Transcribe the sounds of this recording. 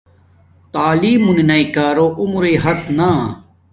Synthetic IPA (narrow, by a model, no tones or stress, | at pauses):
t̪aːliːmuninɐikaːɾoːʔumɾeːɦɐt̪naː